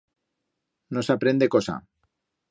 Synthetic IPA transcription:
nosapɾend̪ekosa̰

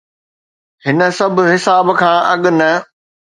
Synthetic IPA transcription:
hɪnə̆sɐbʱʊɦɪsaːbkʰãːʔɐɠʊnɐ

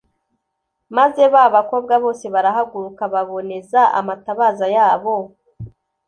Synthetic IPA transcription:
maze̞βaβako̞b̚ɡaβo̞ːse̞βaɾaɦaɡuɾukaβaβo̞ne̞zaʔa̰mataβaːzajaːβo̞

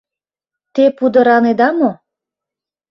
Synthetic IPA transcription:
t̪epud̪ə̆ɾɑned̪ɑmo

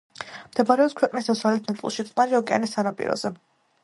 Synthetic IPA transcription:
md̪̥ɛbaɾɛɔpskʰwɛqʼnisd̪asɾalit̪̚ʰnat̪sʼlˠʃit̪sʼmaɾiɔkʼɛa̰nisːanapʼḭɾɔ̰z̥ɛ

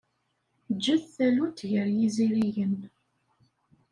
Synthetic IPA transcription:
d͡ʒːæθθælut̪ːʝəɾjiziɾijən

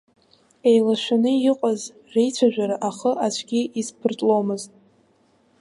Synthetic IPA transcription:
e̞jlaʃʷᶣanɨiqʷʼaz | rejt͡ʃʷʰaʒᶣaɾaʔaχəʔat͡ʃʷʰɡʲiʔizpʰɨrtʼlomɨztʼ

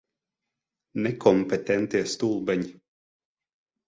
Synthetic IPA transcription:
nɛkʰɔmpet̪ɛnt̪iɛst̪ulˠbɛɲi

